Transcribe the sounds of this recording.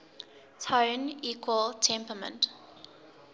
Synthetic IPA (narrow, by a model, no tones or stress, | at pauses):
tʰãʊniːkʰwəltʰɛ̃mpəmə̰̃nt